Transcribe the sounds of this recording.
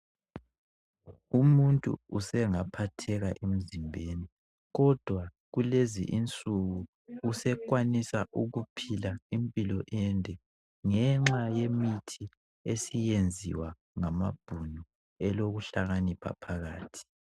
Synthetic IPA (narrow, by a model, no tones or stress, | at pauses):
umuntʼṵusɛŋapʰatʰɛɣaʔem̩zimbʱeni | ɣɔd̥ʱwa | ɣulezḭʔint͡sʼuɣuː | sɛkwanisaʔuɣupʰilaimpʼilɔʔɛndʱʼɛ | ŋɛŋ͡ǁajemitʰi | esijend͡zʱḭwa | ŋamab̥ʱunu | ɛloɣuɬaɣanipʰa̰pʰaɣaːtʰi̥